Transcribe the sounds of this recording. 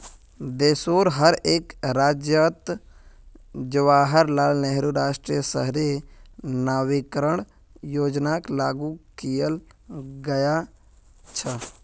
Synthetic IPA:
d̪eːsoːɾɦəɾeːkɾaːd͡ʒjət̪ | d͡ʒəʋaːɦəɾlaːlneɦɾuɾaːʃʈɾijəsə̰ɦɾe | naːʋɪkɾəɳ̃ | joːd͡ʒnaklaːɡukijəlɡəja | t͡ʃʰə

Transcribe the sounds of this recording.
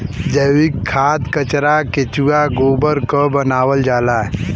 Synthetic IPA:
d͡ʒəwɪkʰːaːt̪kət͡ʃɾaket͡ʃuaɡoːbəɾkəbənaːwəld͡ʒaːlaːɛ

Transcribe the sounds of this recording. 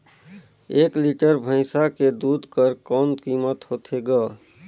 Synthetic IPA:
eːkliʈəɾbʱə̃ɪsaked̪uːd̪kəɾkɔːnkiːmət̪ɦoːt̪ʰeɡəː

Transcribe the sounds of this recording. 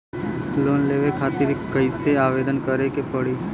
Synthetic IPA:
loːnleːʋekʰaːt̪iɾkəɪseaːʋeːd̪ənkəɾekepəɽiː

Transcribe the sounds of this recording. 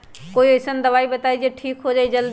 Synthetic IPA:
koːiəjsənd̪əβaibət̪aid͡ʒeʈʰikɦod͡ʒaːid͡ʒəld̪

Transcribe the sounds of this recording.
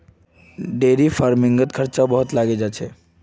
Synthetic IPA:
ɖeːɾifaːɾmɪ̃ŋɡət̪kʰɐɾt͡ʃabɐɦʊt̪laːɡed͡ʒaːt͡ʃʰɛː

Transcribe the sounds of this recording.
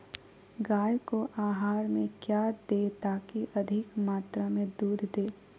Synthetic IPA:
ɡaːjkoʔaːɦaːɾmẽkjaːd̪et̪aːkiʔɐd̪ʱɪkmaːt̪ɾamẽd̪uːd̪ʱd̪eː

